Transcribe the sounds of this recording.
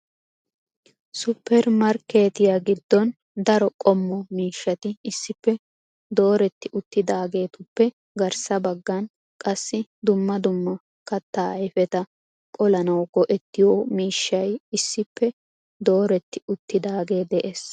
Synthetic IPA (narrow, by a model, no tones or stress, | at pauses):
sʊpʰːɛɾmɐɾkeːt̪ɪjaɡɪd̪ːɔn | d̪ɐɾɔkʼɔmːɔmiːʃːɐt̪ɪɪsːɪpːɛ | d̪o̞ːɾɛt̪ːɪʔʊt̪ːɪd̪aːɡe̞ːt̪ʊpːɛ | ɡɐɾsɐbɐɡːɐn | kʼɐsːɪd̪ʊmːɐd̪ʊmːɐ | kɐt̪ːaːɐjfɛt̪ɐ | kʼɔlɐnɐwɡɔʔɛt̪ːɪjoːmiːʃːɐjɪsːɪpːɛ | d̪o̞ːɾɛt̪ːɪ̥ʊt̪ːɪd̪aːɡe̞ːd̪ɛʔeːs